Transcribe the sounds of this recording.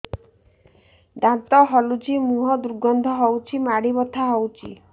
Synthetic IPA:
d̪ãt̪ɔɦɔlud͡ʒimuɦɔd̪uɾɡɔnd̪ʱɔɦɔwt͡ʃʰimaɽibɔt̪ʰaɦɔwt͡ʃʰḭ

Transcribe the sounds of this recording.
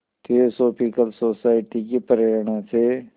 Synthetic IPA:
t̪ʰeosoːpikəlsoːsaːɪʈikipəɾeːɾɳãse

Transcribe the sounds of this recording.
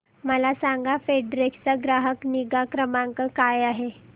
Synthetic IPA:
məlasaŋɡafeɖɾekt͡səɡɾaɦəkniɡakɾəmaŋkəkajaɦe

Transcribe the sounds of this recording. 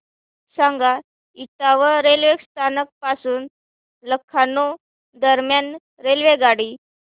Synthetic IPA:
sãŋɡa | iʈaʋəɾelʋekst̪ʰanək̚pasuːn | ləkʰːano | d̪əɾmjan | ɾelʋeɡaɽi

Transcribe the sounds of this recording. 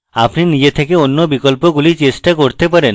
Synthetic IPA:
apninid͡ʑet̪ʰekeonːobikolpoɡulit͡ɕesʈakoɾt̪epaɾen

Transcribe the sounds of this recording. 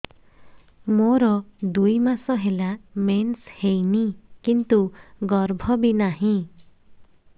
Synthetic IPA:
moɾɔd̪ujmasɔɦelamenshejnikint̪uɡɔɾbʱɔbinaɦĩ

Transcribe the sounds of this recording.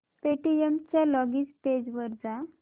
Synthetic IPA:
peʈiemt͡ɕjalɔɡisped͡ʑʋəɾd͡za

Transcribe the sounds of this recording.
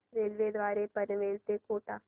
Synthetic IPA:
ɾeːlʋeːd̪ʋaːɾepənʋeːlt̪eːkoːʈaː

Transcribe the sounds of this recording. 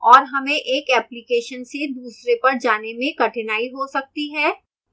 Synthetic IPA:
ɔːɾɦɐmẽʔeːkɛːplɪkeːʃənsed̪uːsɾepɐɾd͡ʒaːnemẽkɐʈʰɪnaːiɦosɐk̚t̪iɦɛː

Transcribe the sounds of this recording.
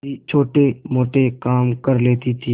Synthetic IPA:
it͡ʃʰoːʈemoːʈekaːmkəɾleːt̪it̪ʰiː

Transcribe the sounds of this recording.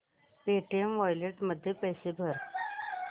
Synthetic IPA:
peʈiemʋɔjleʈməd̪ʱːjepəjsebʱəɾ

